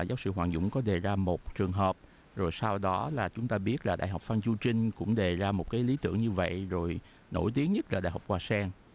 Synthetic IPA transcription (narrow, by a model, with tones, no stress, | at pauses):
zaː˨˦wsɨ̰˧˨ɦwaː˨˩ŋzʊ̰˧˨ŋ͡mkɔ˨˦ɗe˨˩zaː˧mo˨˩t̚t͡ɕɨ˨˩əŋɦəː˨˩p̚ | zo˨˩jsa˧wɗɔ˨˦laː˨˩t͡ɕʊ˨˦ŋ͡mt̪aː˧ɓi˦˥ət̚laː˨˩ɗa̰˧˨jɦa˨˩wk͡p̚fa˧nt͡ɕu˧t͡ɕï˧ŋ̟kʊ̰˧˥ŋ͡mɗe˨˩zaː˧mo˨˩t̚kaː˨˦jli˨˦t̪ɨ̰˧˩əŋɲɨ˧və̰˧˨jzo˨˩j | no̰˧˩jt̪i˨˦əŋɲə˦˥t̚laː˨˩ɗa̰ː˧˨jha˨˩k͡p̚kwaː˧˩saː˧ŋ